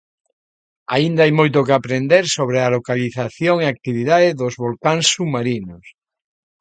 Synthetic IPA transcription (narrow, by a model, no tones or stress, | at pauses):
a̰ind̪aajmojt̪̬okeapɾend̪eɾsoβ̞ɾealokaliθaθjoŋeak̚t̪iβ̞iðaðɪðozβolkaŋsumaɾinos